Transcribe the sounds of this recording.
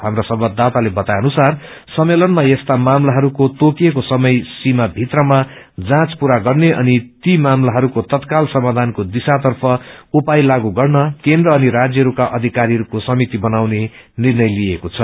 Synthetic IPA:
ɦamrasʌbʱʌd̪at̪alebʌt̪ajʌnusar | sʌmːelʌnmajʌst̪amamlaɦʌɾukot̪okiekosʌmʌjsimabʱit̪rʌma | d͡zãt͡spuɾaɡʌrneʔʌ̰nit̪imamlaɦʌɾukot̪ʌt̪kalsʌmad̪ʱankod̪isat̪̬ʌrpʰʌupajlaɡuɡʌrnʌkend̪rʌːniɾad͡zjʌɦʌɾukaʔʌd̪ʱikaɾiɦʌɾukosʌmit̪ibʌnawne | nirnʌjliekot͡sʰʌ

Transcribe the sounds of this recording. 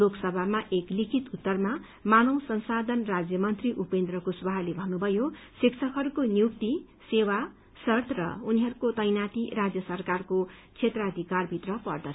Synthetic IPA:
loksʌbʱamaʔeklikʰit̪ut̪ːʌrma | manʌwsʌnsad̪ʱʌnrad͡zjʌmʌnt̪riʔupend̪rʌkosbʱalebʱʌnːubʱʌjo | sikt͡sʰʌkɦʌɾukonjuk̚t̪i | sewa | sʌrt̪ʰrʌ̰uniɦʌɾukot̪ʌjnat̪iɾad͡zjʌsʌrkarkot͡sʰet̪rʌːd̪ʱikarbʱit̪rʌpʌrd̪ʌ

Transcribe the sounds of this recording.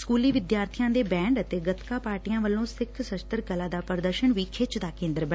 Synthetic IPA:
skuːliːʋɪd̪jaːɾt̪ʰijãːd̪eːbɛ̃ːɳɖət̪eːɡət̪kaːpaːɾʈijãːʋəlːõːsɪkʰsəʃt̪əɾkəlãːd̪aːpəɾd̪əɾʃənʋiːkʰɪt͡ʃd̪aːkẽːnd̪əɾbə

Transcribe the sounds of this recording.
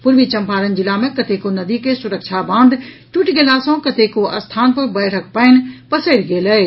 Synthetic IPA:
pʊɾʋit͡ʃɐ̃mpaːɾənd͡ʒɪlamẽkɐt̪ekonɐd̪ikesʊɾəkt͡ʃʰabãːnd̪ | ʈuʈɡeːlasɐ̃kɐt̪ekoʔɐst̪ʰaːnpɐɾbəɪʈʰək̚pəɪnpɐsəɾɡeːləɪ

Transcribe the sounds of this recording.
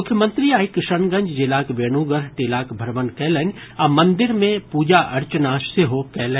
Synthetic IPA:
ʊkʰːjəmə̃nt̪ɾiaːikɪʃənɡə̃ɲd͡ʒd͡ʒɪlaːkʋeːnuːɡəɾʈeːlaːkbʱəɾʋənkɛːlən | ɐmɐ̃nd̪ɪɾmẽpuːd͡ʒaʔɐɾt͡ʃənaːʃseɦokɛːlə

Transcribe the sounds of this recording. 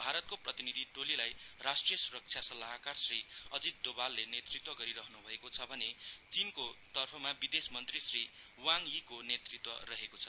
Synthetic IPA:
bʱaɾʌt̪̚koprʌt̪inid̪ʱiʈolilajrasʈrijʌsuɾʌk̚t͡sʰjasʌlaɦkarsriʌd͡zid̪̚ːobalːenet̪rit̪wʌɡʌɾiɾʌɦʌnubʱʌekot͡sʰʌbʱʌnet͡sinkot̪ʌrpʰʌmabid̪esmʌnt̪risri | waŋikonet̪rit̪wʌ̰rʌɦekot͡sʰʌ

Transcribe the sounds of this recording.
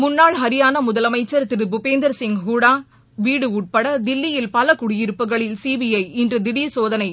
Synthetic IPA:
mʊnːaːɭɦɐɾɪjaːnɐmʊðɐlɐmɐɪt͡ʃːɐɾt̪ɪɾɯbʊpeːnd̪ɐɾsɪŋɡɦuɽaː | ʋiːɽɯuːʈ̚pɐɽɐd̪ɪlːɪjɪlpɐlɐkʊɽɪjɪɾɯpːɯɣɐɭɪlsiːbɪjɐɪɪndrɯd̪ɪɽisoːðɐnɐɪ

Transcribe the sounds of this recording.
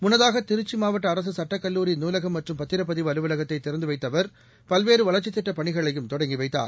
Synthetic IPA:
mʊnːɐðaːɣɐt̪ɪɾɯt͡ʃːimaːʋɐʈːɐːɾɐs̬ɯsɐʈːɐkːɐlːuːɾɪjnuːlɐɣɐmːɐʈrɯmpɐt̪ːɪɾɐp̬ːɐðiʋɐlɯʋɐlɐɣɐt̪ːɐɪt̪ːɪɾɐnd̪ɯʋɐɪt̪ːɐʋɐɾ | pɐlʋeːɾɯʋɐlɐɾt͡ʃːɪt̪ːɪʈːɐpɐɳɪɣɐɭɐjɯmt̪ɔɽɐŋɡɪʋɐɪt̪ːa̰ːɾ

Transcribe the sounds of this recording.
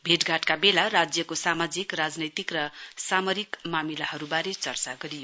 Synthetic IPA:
bʱeʈɡʱaʈkabelarad͡zjʌkosamad͡zikrad͡znʌjt̪ikrʌsamʌɾikmamilahʌɾubaɾet͡sʌrt͡saɡʌɾijo

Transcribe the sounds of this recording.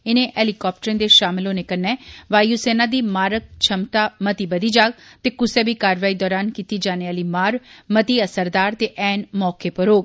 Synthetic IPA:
ɪnẽːʔɛːlikɔːp̚ʈəɾẽnd̪eːʃaːmɪloːneːkənːɛːʋaːjuːseːnaːd̪iːmaːɾək̚t͡ʃʰəmt̪aːmət̪iːbəd̪iːd͡ʒaːɡ̚t̪eːkʊseːbiːkaːɾʋaːiːd̪ɔːɾaːnkiːt̪iːd͡ʒaːneaːliːmaːɾmət̪iːəsəɾd̪aːɾt̪eːʔɛːnmɔːkeːpəɾoːɡ

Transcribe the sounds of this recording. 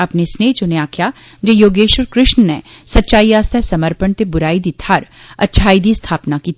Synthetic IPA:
ɐpnesneːt͡ʃoneaːkʰjad͡ʒejoːɡeːʃəɾkɾɪʃnnesɐtːʃaːiaːst̪ʰasɐməɾpəɳt̪ebʊɾaːid̪it̪ʰaːɾɐtːʃʰaːid̪ist̪ʰaːpnakiːt

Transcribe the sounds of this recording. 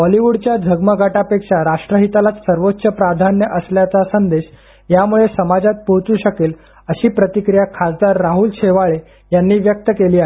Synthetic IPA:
bɔliʋuɽt͡ɕjad͡zʱəɡməɡʱaʈapekʂaɾaʂʈɾəɦit̪alat̪səɾʋotːɕəpɾad̪ʱanjəʔəsljat͡sasənd̪eɕ | jamuɭesəmad͡zat̪̚poɦt͡suːɕəkel | əɕiːpɾət̪ikɾijakʰasd̪aɾːaɦuːlɕeʋaɭe | janːiːʋjək̚t̪əkeliːae

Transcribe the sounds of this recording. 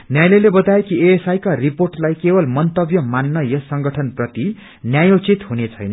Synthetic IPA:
njajlelebʌt̪aekieesajkariporʈlajkebʌlmʌnt̪ʌbjʌmanːʌjʌsʌŋɡʌʈʰʌnprʌt̪i | njajot͡sit̪ɦunet͡sʰʌjnʌ

